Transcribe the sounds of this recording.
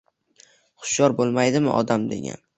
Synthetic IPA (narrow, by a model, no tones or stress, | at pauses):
χʊ̥ʃjɒɾbolˠmajd̪ɪmɪ̰ʔɒ̰d̪amd̪e̞̰ɡʲa̰n